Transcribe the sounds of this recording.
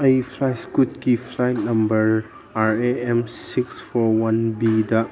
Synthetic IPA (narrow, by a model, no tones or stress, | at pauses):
ɐjpʰlajskut̚kipʰlajt̚nɐmbɐɾ | aɾeemsikspʰɔɾwɐnbidɐ